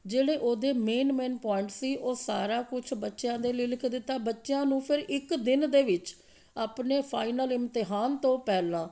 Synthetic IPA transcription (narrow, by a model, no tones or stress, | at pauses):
d͡ʒeːɽeːʔoːd̪eːmeːnmeːnpɔːɪɳʈsiːʔoːsa̰ːɾaːkʊt͡ʃʰbətːʃjãːd̪eːləilɪkʰd̪ɪt̪ːaːbətːʃjãːnũːpʰɪɾɪkd̪ɪnd̪eːʋɪt͡ʃ | aːpneːpʰaːinəlɪmt̪ɪɦaːnt̪õːpɛːlãː